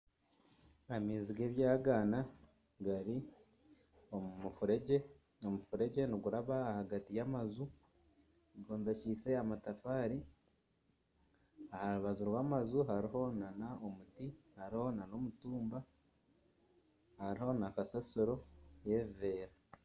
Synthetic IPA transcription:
amiːziɡe̞ːβjaːɡaːna | ɡaɾi | oufuɾeɟe | omufuɾe̞ɟe̞niɡuɾaβaːhaɡatijamazu | ɡoːnvecise̞amatafaːɾi | ahaɾuβazuɾwaːmazuɦaɾiɦo̞nanaomutihaɾiho̞nano̞mutuːmba | haɾiho̞nakasasuɾo̞je̞ve̞ːɾa

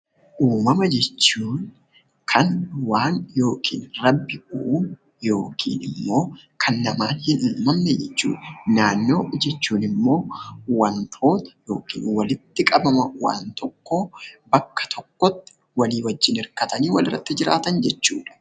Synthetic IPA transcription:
ʔuːmɐmɐd͡ʒɛt͡ʃːuːn | kʰɐnwaːnjo̞ːkʰḭːnrɐbːɪuːm | jo̞ːkʰḭːnɪmːo̞ːkʰɐnːɐmaːnhɪnuːmɐmnɛd͡ʒɛt͡ʃːṵːᶑɐnaːnːo̞ːd͡ʒɛt͡ʃːuːnɪmːo̞ːwɐnt̪ʰo̞ːt̪ɐ̥jo̞̰ːkḭːnwɐlɪt̪ːɪkʼɐbɐmɐwa̰ːnt̪ɔkːoːbɐkːɐ̥t̪ʰɔkːɔt̪ːɪ̥ | wɐliːwɐd͡ʒːɪnɪɾkɐt̪ɐniːwɐlɪrːɐ̰t̪ːɪd͡ʒɪɾa̰ːt̪ɐnd͡ʒɛt͡ʃːuːᶑɐ̥

